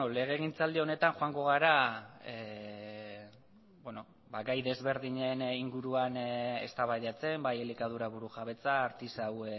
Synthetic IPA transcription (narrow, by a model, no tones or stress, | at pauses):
ole̞ɣ̞e̞ɣ̞int͡sald̪io̞ne̞t̪aŋxoaŋɡo̞ɣ̞aɾae | beno | baɡajðe̞zβe̞ɾðiɲe̞niŋɡuɾuane̞̰st̪aβajðat͡se̞mbajelikað̞uɾaβuɾuxaβe̞t͡saːɾt̪isawe